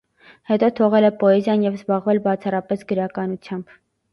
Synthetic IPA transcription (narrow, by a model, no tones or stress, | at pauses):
hɛt̪ɔt̪ʰɔʁɛlɛpɔɛzjɑnjɛvzbɑʁvɛlbɑt͡sʰɑrɑpɛsɡəɾɑkɑnut͡sʰjɑmb